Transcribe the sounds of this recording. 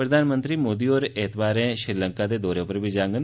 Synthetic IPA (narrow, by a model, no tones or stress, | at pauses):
pɾəd̪aːnmənt̪ɾiːmoːd̪iːoːɾet̪ʰbaːɾɛ̃ːʃɾiːləŋkaːd̪eːd̪ɔːɾeːʊpəɾbiːd͡ʒãːŋɡən